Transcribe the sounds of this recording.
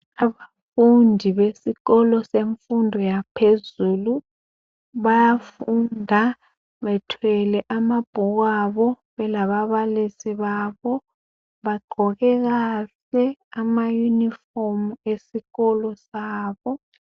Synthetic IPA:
aβa | fundʱiβesiɣɔlɔseɱfundʱɔjapʰezuːlu | βajafundʱa | βɛtʰwɛlɛʔamab̥ʱuɣ̬aβɔ | βɛlaβaβalisiβaːβɔ | βaɡ͡ǃʱɔɣɛɣ̬aɬɛamajunifomuesiɣɔlɔsaːβɔ

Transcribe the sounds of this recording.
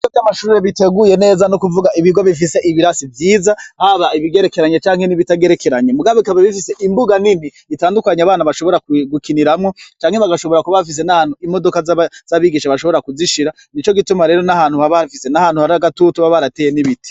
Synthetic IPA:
it͡ʃovjamaʃuɾuɾeβite̞ɡuje̞ne̞ːzanokuvuɡaʔiβiɡwaβifise̞ʔiβiɾasivjiːzahaβaiβiɡe̞ɾe̞keɾaɲet͡ʃaːŋhe̞niβitaɡe̞ɾekeɾaɲemuɡaβoikaββifise̞ʔimbuɡanini | itaːndukaɲaβaːnaβaʃo̞βo̞ɾakɡukiniɾamŋot͡ʃaːŋhe̞βaɡaʃo̞βo̞ɾakuβafis̬e̞nahaːn̥huimo̞do̞kazz̥aβiɡiʃaβaʃo̞βo̞ɾakuziʃiɾa | nit͡ʃo̞ɡitumaɾe̞ːɾo̞nahaːn̥huhaβafisenahaːn̥huhaɾaɡatutuβaβaɾatejeniβiti̥

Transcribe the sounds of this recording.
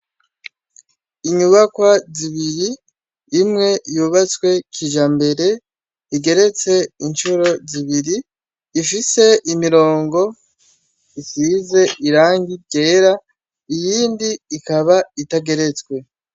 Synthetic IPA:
iɲuβakwaziβiɾiː | mŋe̞juβat͡swe̞kʰiʒambe̞ɾe̞ | iɡe̞ɾe̞t͡se̞int͡ʃuɾo̞ziβiɾiː | fise̞ʔimiɾo̞ːŋɡo̞ | isize̞iɾaːŋɡite̞ːɾa | ijiːndiːkaβaitaɡe̞ɾe̞t͡skwe̞

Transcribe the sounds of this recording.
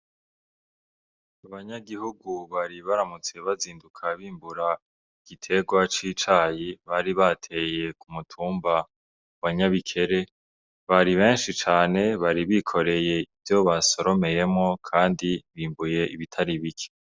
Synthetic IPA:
aβaɲaɡihuɡuβaɾiβaɾamut͡se̞βaziːndukʰaβiːmbuɾa | iɡ̥itʰe̞ɡwat͡ʃit͡ʃaːjiβaɾiβatʰe̞je̞kumutʰuːmba | waɲaβikʰe̞ɾe̞ | βaɾiβe̞ːnʃit͡ʃaːne̞βaɾiβikʰo̞ɾe̞je̞ivjo̞βaso̞ɾo̞me̞je̞mŋo̞kʰaːndiβiːmbuje̞ʔiβitʰaɾiβikʰe̥

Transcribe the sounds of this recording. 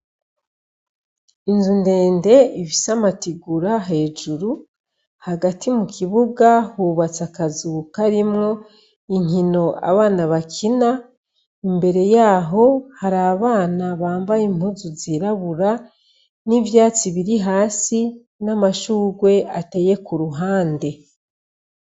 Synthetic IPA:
inzunde̞ːnde̞iβisamatiɡuɾaɦe̞ːd͡ʒuɾu | haɡatʰimukiβuɡahuβat͡sakazuːkaɾimŋo̞ | iɲino̞a̰βaːnaβakʰina | imbe̞ɾe̞jaːɦo̞haɾaβaːnaβaːmbajim̥uzuziɾaβuɾa | nivjaːt͡siβiɾiɦaːsi | namaʃuːɡwe̞ate̞je̞kuɾuɦaːnde̞

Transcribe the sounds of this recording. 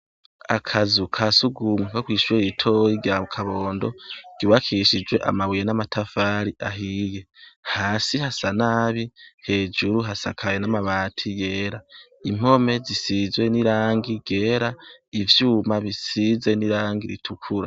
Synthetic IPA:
a̰kʰazukʰasuɡumukakwiːʃuɾiitʰoiɡakʰaβoːndo̞ɡ̥iwakʰiʃid͡ʒwe̞ʔa̰maβujenamatʰafaːɾiʔaɦije̞haːsihasanaːβihe̞ːd͡ʒuɾuɦasakʰajenamaβaːtʰije̞ːɾa | im̥o̞me̞zisizwe̞niɾaːŋɡiɡ̥e̞ːɾaivjuːmaβisize̞niɾaːŋɡiɾḭtʰukʰuɾa̰

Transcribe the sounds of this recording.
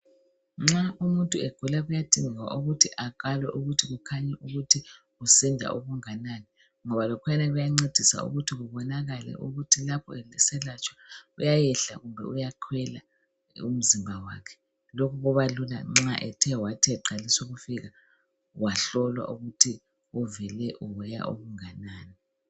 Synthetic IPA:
ŋ͡ǁaumuntʼuɛɡ̥ʱulaɣujatʼiŋiɣwa̰ʔuɣutʰiʔakʼalwɛ̰ʔuɣutʰiɣukʰaɲɛʔuɣutʰi | ɣusɛndʱa̰ʔuɣuŋananɛ | ŋɔβalɔkʰwɛnɛɣujaŋ͡ǀed̥ʱisa̰ṵɣutʰiɣuβɔnaɣalɛ̰ʔuɣutʰilapʰɔ̰ɛɛsɛlat͡ʃʰʼwḁujajɛɬa̰ɣumbʱɛ̰ujaǃʰwɛla̰ | um̩zimbʱawa̰ːkʰɛ̥ | lokʰuɣɔβalula̰ŋ͡ǁaʔɛtʰɛwatʰɛǃalisuɣufiɣa | waɬɔlwa̰ʔuɣutʰi | uvɛlɛʔuwɛja̰ʔoɣuŋanaːnɛ

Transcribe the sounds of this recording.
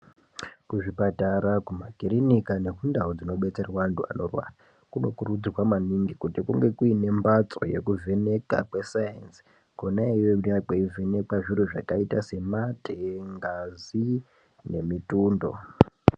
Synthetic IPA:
kuʐipataɾakumakiɾinikane̞kundaud͡zino̞ɓe̞t͡se̞rwantua̰norwa̰ra | kuno̞kurud͡zrwamaniŋɡikutikuŋɡe̞kuine̞mbat͡so̞̰je̞̰kuvʱe̞ne̞ka̰kwe̞sajans | konaiwenakeive̞ne̞kwaʐiɾuʐa̰kaitase̞mateŋɡazi | ne̞mituːndo̞̰

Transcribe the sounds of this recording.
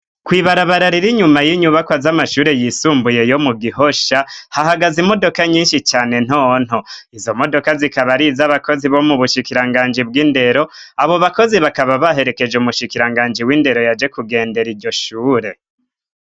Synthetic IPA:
kwiːβaɾaβaɾaɾiɾiɲumajiɲuβakwazamaʃuːɾe̞jisuːmbuje̞jo̞muɡiho̞ʃahahaɡazimo̞do̞kaɲiːnʃit͡ʃaːne̞n̥on̥ho̞izo̞mo̞do̞kazikaβaɾizaβako̞ziβo̞muβuʃikiɾaŋɡaːnd͡ʒib̚ɡiːnde̞ɾo̞aβo̞βako̞ziβakaβaβaɦe̞ɾe̞ke̞d͡ʒeumuʃikiɾaŋɡaːnd͡ʒiwiːnde̞ɾo̞jad͡ʒe̞kuɡe̞ːnde̞ɾiɾɟo̞ʃuːɾe̞

